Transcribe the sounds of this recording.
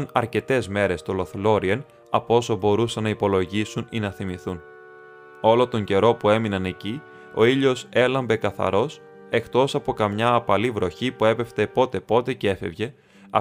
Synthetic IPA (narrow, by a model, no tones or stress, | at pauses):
nɐ̰ɾce̞t̪e̞zme̞ɾe̞st̪o̞lo̞θlo̞ɾien | ɐpo̞so̞bo̞ɾusɐnːɐipo̞lo̞ʝisuninɐθimiθun | o̞lo̞t̪o̞ɲɟe̞ɾo̞pue̞minɐne̞ci | o̞iʎo̞se̞lɐmbe̞kɐθɐ̰ɾo̞s | e̞kt̪o̞sɐpokɐmɲɐːpɐlivɾo̞çipue̞pe̞ft̪epo̞t̪e̞po̞t̪e̞cee̞fe̞̰vʝe̞ | ɐ